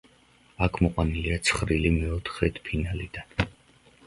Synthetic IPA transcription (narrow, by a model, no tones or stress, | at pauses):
akʰmɔqʼwaniliat̪sʰχɾilimɛɔt̪ʰχɛt̪ʰpʰinalid̪̥an